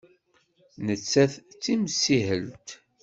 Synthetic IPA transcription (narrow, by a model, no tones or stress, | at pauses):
nət͡sːæθt͡sːimsihəlt̪